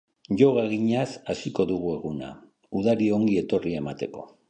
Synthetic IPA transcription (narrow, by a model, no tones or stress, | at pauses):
ʝo̞ɣaɣiɲasasiko̞ðuɣ̞ue̞ɣuna̰ | uð̞aɾio̞ŋɡie̞t̪o̞riaemat̪e̞ko̞̰